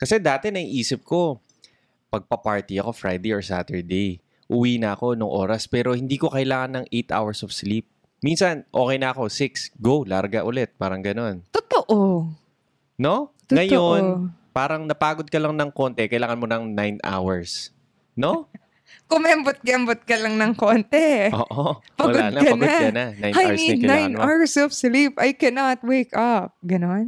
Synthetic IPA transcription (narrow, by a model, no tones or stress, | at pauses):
kɐsɛd̪aːt̪ɛnɐŋʔiːsɪp̚ko̞ | pɐɡ̚pɐpaɹt̪iɐko̞fɹajd̪ejoɹsa̰t̪ɛɹd̪ej | ʔʊwiːnɐʔɐko̞noŋʔo̞̰ːɾɐspɛːɾo̞hɪnd̪iːkokɐɪlaːŋɐnːɐŋʔejt̪ʔa̰wɛɹsɔv̥slip̚ | minsɐnʔo̞̰ːkɛjnɐʔɐko̞sɪksɡowlaɾɡɐʔʊlɛt̪̚paːɾɐŋɡɐno̞nt̪ʊt̪oʔo | no̞t̪ʊŋɐɐjonpaːɾɐŋnɐpaːɡod̪̚kɐlɐŋnɐŋko̞ːnt̪ɛkɐjlaːŋɐnmonɐŋnajna̰wɛɹs | no̞ | kʊmɛɐmbʊt̪̚kɐʔɐmbʊt̪̚kɐlɐŋnɐŋkont̪ɛʔoːʔopɐɐlɡoaːdnɐkɐpɐnɡod̚kɐnɐnajnajaɛniɐnajnʔawɹsɔfslipɐjkɛnɐt̪̚wejkɐp̚ɡɐnon